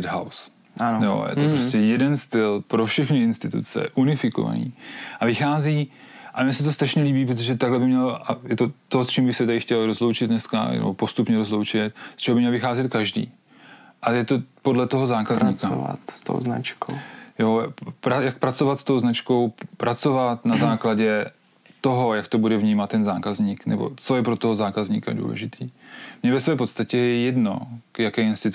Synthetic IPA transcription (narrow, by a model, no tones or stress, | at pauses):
dɦaws | ʔanjo̰jɛ̰opɾoscɛjɛdɛnst̪ɪlpɾofʃɛxnɪɪnst̪ɪt̪ṵt͡sɛ̰ʔunɪfɪko̞̰va̰nḭːʔavɪxaːziː | ʔamɲɛsɛt̪o̞st̪ɾaʃɲɛliːbiːpɾot̪oʒɛt̪aɡlɛbɪmɲɛlajɛt̪o̞t̪ost͡ʃiːmbɪxsɛt̪adɪxcɛlɾo̞zlo̞wt͡ʃɪt̪̚nɛska̰nɛ̰bopo̞st̪upɲɛɾozlowt͡ʃɪt̪̚st͡ʃɛɦbɪmɲɛlvɪxaːzɛt̪̚kaʒdḭː | ʔajɛt̪opo̞dlɛt̪oɦozaːkazɲiava̰t̪st̪o̰wzna̰t͡ʃkowjopɾajak̚pɾat͡sovat̪st̪owznat͡ʃko̞wpɾʔat͡so̞vat̪nazaːklaɟɛ | t̪o̞ɦo̞jakt̪o̞budɛvɲiːmat̪ːɛnzaːkazɲiːknɛ̰bo̞̰t͡so̞jɛpɾot̪oɦozaːkazɲiːka̰dṵːlɛ̰ʒɪt̪ʰiːmɲɛvɛsvɛːpo̞t̪st̪acɛjɛjɛdnokjakɛːɪnst̪ɪt̪